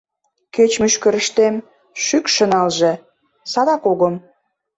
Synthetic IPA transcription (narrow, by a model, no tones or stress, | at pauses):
ket͡ɕmyʃkə̆ɾəʃt̪em | ʃykʃə̆nɑlʒĕ | sɑd̪ɑkoɣə̆m